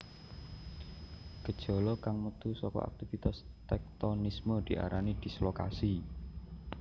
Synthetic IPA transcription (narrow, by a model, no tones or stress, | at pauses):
ɡ̥ə̤d̥ʒ̥ɔ̤lɔkaŋmət̪usɔkɔ̰ʔa̰k̚t̪ivit̪as | t̪ɛk̚t̪ɔnisməd̪̥i̤ʔa̰ɾanid̪̥i̤sloka̰si